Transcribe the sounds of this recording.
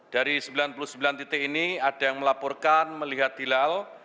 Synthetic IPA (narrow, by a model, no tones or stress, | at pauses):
d̥aɾisəmbilanpuluhsəmbilant̪it̪ekiniadajaŋməlapɔrkanməliɦat̪̚dilal